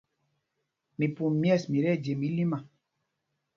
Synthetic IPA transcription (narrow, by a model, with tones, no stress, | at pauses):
mi˨pu˨mjɛ˦˨smi˨ɾɛ˦˨d͡ʒe˨mi˨˦li˦ma˨